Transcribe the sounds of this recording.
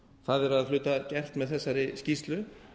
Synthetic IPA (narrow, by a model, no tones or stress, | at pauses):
θaðɛɾaðflʏːt̪acɛr̥t̪mɛðθɛsːaɾɪscist̪lʏ